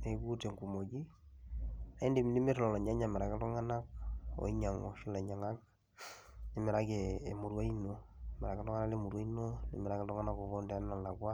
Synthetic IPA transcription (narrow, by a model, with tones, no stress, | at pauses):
ne˨˦ɡu˦te˨ŋku˨mo˨ɡi˦ | a˨i˦ndi˨mi˨ni˦me˦tlɔ˨lɔ˨ɲa˦ɲa˨me˨ɾa˨ke˦tɔ˦ŋa˦na˦k̚o̰˨i˦ɲa˨ŋo̰˨ʃi˦la˨ɲa˨ŋa˦k̚ | ne˦mɪ˨ɾa˦keː˨mu˨ɾwa˦i˦no˨me˨ɾa˨ka˦tɔ˦ŋa˦na˦le˦mu˨ɾwa˦i˦no˦lḛ˨mɪɾa˦ke˦tɔ˦ŋa˦na˦ko˨βo˦nda˦n˦na˨la˨kwa˦